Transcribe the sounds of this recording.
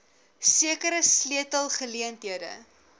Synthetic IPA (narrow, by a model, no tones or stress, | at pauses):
siəkəɾəsliətəlˠχəliəntɦiədə̰